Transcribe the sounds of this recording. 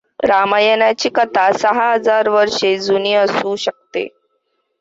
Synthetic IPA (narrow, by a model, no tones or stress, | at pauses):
ɾamajənjat͡ɕiːkət̪asəɦaɦəd͡zaɾʋəɾʂed͡zuniəsuːɕək̚t̪ḛ